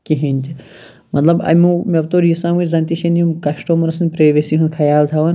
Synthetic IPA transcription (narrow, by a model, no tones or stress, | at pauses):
kiɦinʲt͡ʃʰi | mɐt̪lɐbɐ̰mʲumʲebt̪oːɾisãːmut͡ʃʲzɐnt̪iʃɐnimkɐsʈoːmɾɐsɨnʲpɾeʋesiɦunkʰɐjaːlt̪ʰɐʋɐn